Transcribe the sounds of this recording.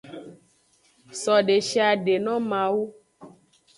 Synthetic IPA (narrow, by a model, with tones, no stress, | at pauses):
sɔ˨ɖe˨ʃi˦a˨ɖe˨nɔ̃˦mã˨wu˦